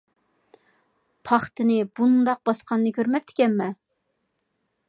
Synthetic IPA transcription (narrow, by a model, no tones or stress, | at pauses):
pʰɑχt̪ɨnɪbund̪ɑq̚bɑsqʰɑnːɨkʲʰøɾmɛp̚t̪ʰɪ̥kʲɛnmɛ